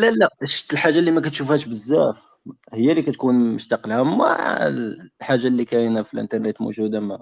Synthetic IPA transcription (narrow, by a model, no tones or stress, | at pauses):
lælæʃt̪əlħaʒːalːimækæt̪ʃufhæʃbəzːæf | həjːælikæt̪kunmʊʃt̪ɑqəlhæma̰ʕ̰ | ħaʒːalːikæjnæfilʔə̰nt̪ɑɾˤnət̪mṵʒud̪amæ